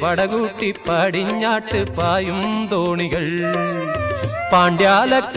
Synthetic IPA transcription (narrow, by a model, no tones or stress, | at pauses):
pɐɽɐɣuːʈːipːaːɽɪɲːaːʈːɯpːaːjɯmd̪oːɳiɣɐɭ | paːɳɖjaːlɐkː